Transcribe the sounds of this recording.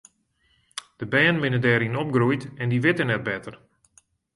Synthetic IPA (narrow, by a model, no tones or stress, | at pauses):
d̥əbɛːnʋɪnədɛːɾinɔp̚ɡrujtɛndiʋɪtənɛt̚bɛtər